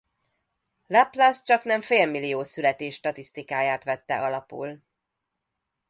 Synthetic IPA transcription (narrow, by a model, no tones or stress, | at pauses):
laplast͡ʃɒknɛɱfeːlmilːijoːsylɛt̪eːʃːt̪ɒt̪ist̪ikaːjaːt̪ʋɛt̪ːɛ̰ʔɒlɒpṵl